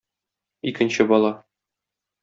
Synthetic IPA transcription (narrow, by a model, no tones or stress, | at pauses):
ikɘ̆nɕɘbɒlˠɑ